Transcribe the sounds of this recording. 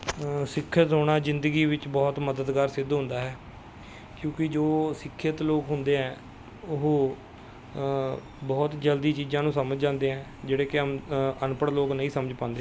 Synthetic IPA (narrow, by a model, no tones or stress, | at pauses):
sɪkʰːət̪ɦoːɽ̃aːzɪnd̪əɡiːʋɪt͡ʃbɔːt̪məd̪əd̪ɡaːɾsɪd̪ɦʊ̃nd̪aːɦɛː | kjõːkɪd͡ʒoːsɪkʰːət̪loːkɦʊnd̪eːɦɛ̃ː | ʊɦõː | bɔːt̪d͡ʒəld̪iːt͡ʃiːd͡ʒãːnũːsəməd͡ʒd͡ʒãːnd̪eːɦɛ̃ː | d͡ʒeːɽeːkɪənpəɽloːknəĩːsəməd͡ʒpãːnd̪eː